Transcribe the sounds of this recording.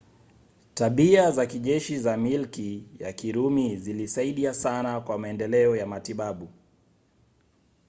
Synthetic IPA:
taɓiazakiʄɛʃizamilkija̰kiɾumizilisaiɗiasanakwamaɛndɛlɛɔjamatiɓaɓu

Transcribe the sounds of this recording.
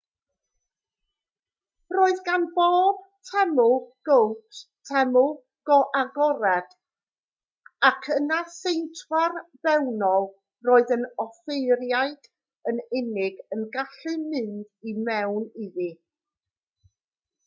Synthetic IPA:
roːɨðɡanboːb̥̚ | tʰɛmʊlˠɡ̥owttʰɛmʊ | ɡ̥ɔʔaɡɔɾɛd̥ | akʰənasejntʰwarvɛwnɔlˠ | roːɨðənɔfejɾjaɨd̥ | ənɪnɪɡənɡaɬɨmɪndimɛwnɪði

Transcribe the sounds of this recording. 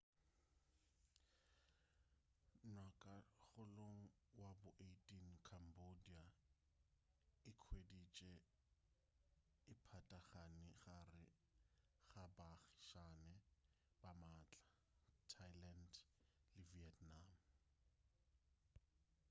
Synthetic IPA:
nwakʼaɣʊloŋ̩ | wabʊʔetʼinkʰambodia | ɪkʰwedit͡ʃʼɛ | ɪpʰatʼaχanɪɣarɪ | ɣabaɣi̥ʃanɛ | b̥amaːt͡ɬʼḁ | tʰajlandlɪviɛtnaːm

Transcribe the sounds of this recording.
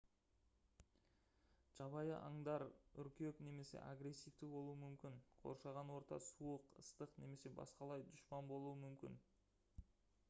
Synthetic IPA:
ʒ̥ɑβɑjəʔɑŋd̪ɑɾʏɾkʲe̞kne̞me̞se̞̰ʔa̰ɡɾe̞sːijft̪ɪbo̞lˠuəmʏmkʲɪnqʰo̞̰ɾʃɑʁɑnwo̞ɾt̪ɑ̰suəqəst̪əqne̞me̞se̞bɑ̰sqɑlˠɑjd̪ʊʃpɑnbo̞lˠuəmʏmkʲɪ̰n

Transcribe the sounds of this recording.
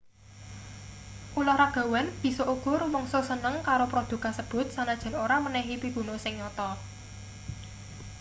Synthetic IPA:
ʔulɔhɾaɡ̥a̤wɛnb̥i̤sɔʔukʊrwɔŋsosənəŋkaɾopɾod̪̥ṳkasəb̥ʊ̤t̪̚sanad̥ʒ̥a̤noɾamənɛɦipib̥ṳnosɪŋɲɔt̪ɔ

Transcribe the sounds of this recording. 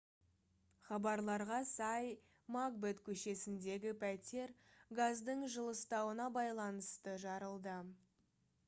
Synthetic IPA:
χɑbɑɾlˠɑɾʁɑsɑj | maɡbet̪kʲʰɵʃe̞sɪnd̪e̞ɡʲɪpʰæt̪e̞ɾɡazd̪əɴʒəlˠəst̪ɑwənɑbɑjlˠɑnəst̪əʒɑɾəlˠd̪ə

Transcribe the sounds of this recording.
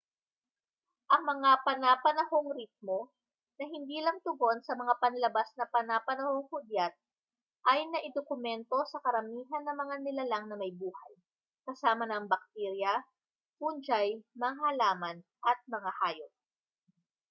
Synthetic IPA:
ʔɐŋmɐŋapɐnapɐnɐhoŋɾit̪̚mo̞ | nɐɦɪnd̪iːlɐŋt̪ʊɡo̞nsɐmɐŋapɐnlɐbasnɐpɐnapɐnɐho̞ŋhud̪jat̪̚ | ʔɐjnɐʔɪd̪okʊmɛnt̪o̞sɐkɐɾɐmiːɦɐnːɐŋmɐŋanɪlalaŋnɐmɐjbuːhɐ̰j | kɐsaːmɐnɐŋbɐk̚t̪ɛɾjɐ | pund͡ʒajmɐŋɦalaːmɐnʔɐt̪̚mɐŋahaːjop̚

